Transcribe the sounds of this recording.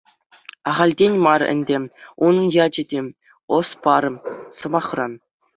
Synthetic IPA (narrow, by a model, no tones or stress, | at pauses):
ɑʁɑlʲdʲenʲmɑrɘ̰̆nʲdʲeunɤ̆njɑd͡ʑɘ̆dʲe | ŏspɑɾɤ̆sɤ̆mɑχrɑn